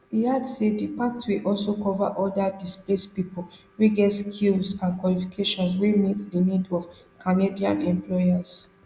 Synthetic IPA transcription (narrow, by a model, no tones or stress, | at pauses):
iadsedipatswiʔɔlsokɔvaʔɔdadisplespipo | ɹiɡɛskʰilsãnkwalifikʰeʃɔ̃nswemitdənidɔv | kʰanediã̰nɛ̃mplɔjas